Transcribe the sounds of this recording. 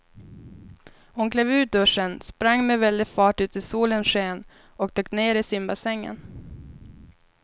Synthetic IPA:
hʊnkleːvʉ̟ːt̪̚d̪ɵʂːənspɾaŋːmevɛld̪ɪfɑːʈʉ̟ːt̪ɪsuːlənʂeːn | ɔk̚t̪ʰøːkːneːɾɪsɪmbasɛŋːə̰n

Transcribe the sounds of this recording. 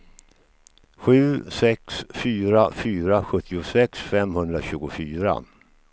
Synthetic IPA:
ɧʉ̟ːsɛksfyːɾafyːɾaɧɵt̪ʰːɪʊsɛksfɛmhɵnd̪ɾaɕʉ̟ːɡʊfyːɾa̰

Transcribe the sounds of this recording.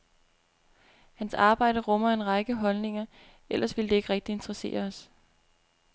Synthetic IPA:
hænsɑ̈ːb̥ɑ̈ɪ̰d̥əʁɔ̽mɐe̝nʁɑ̈ɡ̥əɦɒ̽lne̝ŋɐ | el̰ʔɐsʋe̝ld̥e̝e̝ɡ̥ʁɛɡ̥̚d̥ie̝nd̥ʁɐse̝̰ːɐɒs

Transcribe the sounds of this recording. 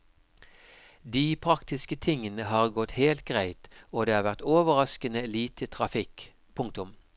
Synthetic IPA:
d̪iːpʰʁɑkt̪ɪskət̪ʰɪŋːənəɦɑːʁɡɔt̪heːlt̪̚ɡʁæɪt̪oːd̪eːhɑːʁʋæʁt̪oːʋəʁɑskənəeliːt̪ʰət̪ʰʁɑfɪk | pʰʊŋk̚t̪ʊm

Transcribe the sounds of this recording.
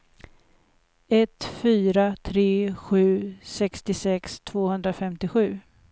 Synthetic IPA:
ɛt̪fyːɾat̪ʰɾeːɧʉ̟ːsɛkst̪ɪsɛkst̪ʰv̥oːhɵnd̪ɾafɛmt̪ɪɧʉ̟ː

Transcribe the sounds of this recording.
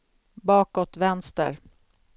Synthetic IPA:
bɑːkɔt̪vɛnst̪ə̰ɾ

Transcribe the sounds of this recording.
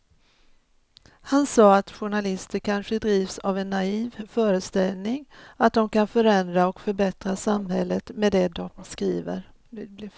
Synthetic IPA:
hansɑːat̪ɧʊɳalɪst̪əɾkʰanɧəd̪ɾiːvsavɛnːaiːvfœːɾəst̪ɛlnɪŋat̪̚d̪ɔmkanfœɾɛnd̪ɾaɔkfœɾbɛt̪ɾasamhɛlːət̪meːd̪ɛd̪ɔmskɾiːvə̰ɾ | blɪ

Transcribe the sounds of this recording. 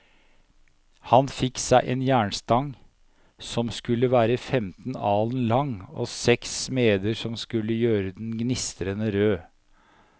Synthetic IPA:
hɑnfɪksæɪʔeːnjæːɳst̪ɑŋ | sɔmskʉlːəʋæːɾəfɛmt̪nɑːlnlɑŋɔ̰sɛksmeːd̪əʂɔmskʉlːəjøːɾəd̪ɛnɡnɪst̪əɾənəɾøː

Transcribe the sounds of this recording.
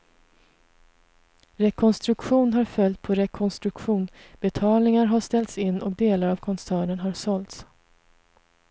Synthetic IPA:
ɾɛkʰɔnst̪ɾɵkɧuːnɦaɾfœlt̪̚pʰɔɾɛkʰɔnst̪ɾɵkɧuːnb̥ɛt̪ʰɑːlnɪŋaɾɦaʂt̪ɛlt̪sɪnːʔɔkd̪eːlaɾavkʰɔnsæːɳənɦaʂɔlt̪s

